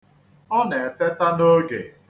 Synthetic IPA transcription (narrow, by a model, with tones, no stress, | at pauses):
ɔ˦ne˨te˦ta˦no˦ɡḛ˨